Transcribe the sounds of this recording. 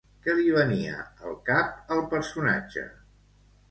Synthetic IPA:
kəliβəniə̰əlˠkap̚əlˠpəɾsuna̰d͡ʒə̰

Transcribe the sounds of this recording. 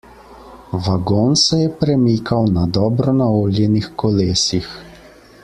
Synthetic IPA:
ʋaɡoːnsɛjɛpɾɛmiːkʰawnad̪ɔːbɾɔnaoːljɛnixkɔleːsix

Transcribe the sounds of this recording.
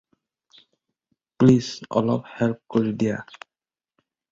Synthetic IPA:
plisɔ̰lɔ̰phelp̚koɹidija̰

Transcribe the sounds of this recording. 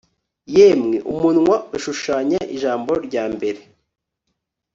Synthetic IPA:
jemŋeʔṵmunŋwauʃuʃaːɲaʔiʒaːmbo̞ɾɟaːmbe̞ɾe

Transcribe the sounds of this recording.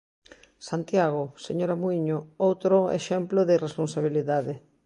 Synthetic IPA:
sant̪jaɣoseɲoɾamuiɲoowt̪ɾoḛʃɛmploðɪresponsaβ̞iliðaðɪ

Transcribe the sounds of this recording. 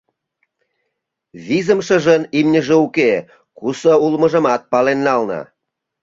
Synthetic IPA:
βizəmʃə̆ʒənimnʲəʒeuke | kusəulmə̆ʒə̆mɑt̪̚pɑlenːɑlnɑ̰

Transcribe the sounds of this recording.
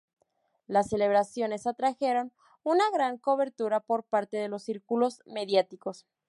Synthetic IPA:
lasːe̞le̞β̞ɾasjo̞ne̞sat̪ɾaxe̞ɾo̞n | unaɣɾaŋko̞βe̞ɾt̪uɾapo̞ɾpaɾt̪e̞ðe̞lo̞sːiɾkulo̞zme̞ðjat̪iko̞s

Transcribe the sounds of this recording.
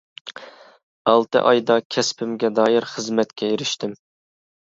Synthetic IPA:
ɑlˠt̪ɨ̰ʔɑjd̪ɑkʲʰɛspʰɪmɡʲɛd̪ɑːjɪɾχəzmɛt̪kʲʰɛjeɾɪʃt̪ʰɪm

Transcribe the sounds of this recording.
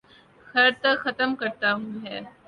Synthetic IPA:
xɐɾt̪ɐkxɐt̪əmkɐɾt̪aːɦũːɦɛː

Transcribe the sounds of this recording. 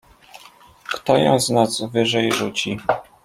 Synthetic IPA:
kt̪ɔjɔ̰̃w̃znazvɘʐɛjʐut͡ɕi

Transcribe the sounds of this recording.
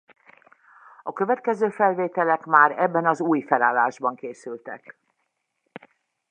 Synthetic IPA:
ɒkøvɛt̪kɛzøːfɛlveːt̪ɛlɛkmaːɾɛbːɛnɒzuːjfɛlaːlːaːʒbɒŋkeːsylt̪ɛ̰k

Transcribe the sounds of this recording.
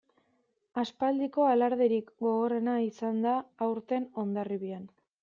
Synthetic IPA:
aspald̪iko̞alaɾðeɾikɡo̞ɣo̞re̞naisand̪aːwɾt̪e̞no̞nd̪ariβian

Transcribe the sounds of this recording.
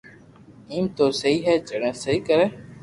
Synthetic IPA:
iːmt̪oːsəɦiːɦɛːt͡ʃəɽə̃ːsəɦiːkəɾɛː

